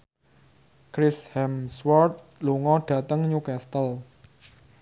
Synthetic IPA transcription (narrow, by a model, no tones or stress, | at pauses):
kɾɪshɛmswɔrt̪̚ | luŋɔɖ̥ä̤t̪əŋɲukɛst̪əl